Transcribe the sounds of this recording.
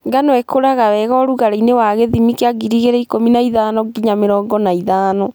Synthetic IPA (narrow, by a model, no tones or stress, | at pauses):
ŋɡanwɛkoɾaɣawɛɣɔɾuɣaɾainewaɣeðimikeaɡiɾiɣeɾɛikominaiðaːnɔɡiɲameɾɔːŋɡɔnaiðaːnɔ